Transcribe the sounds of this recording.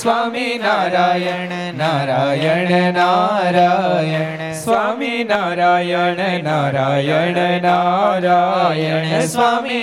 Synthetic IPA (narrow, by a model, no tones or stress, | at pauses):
sʋaminaɾaːjə | naɾajəɳenaɾajə | sʋaminaɾajənenaɾajənenaɾajənesʋami